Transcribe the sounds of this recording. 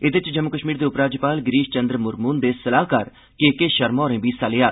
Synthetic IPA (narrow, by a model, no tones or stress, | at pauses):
ɪd̪ɪt͡ʃd͡ʒəmːʊkəʃmiːɾd̪eːʊpɾaːd͡ʒpaːlɡɾiːʃt͡ʃənd̪ɾmʊɾmuːnd̪eːsəlaːɦkəɾ | kekeːʃəɾmɔːɾẽːbiːsaːlejaː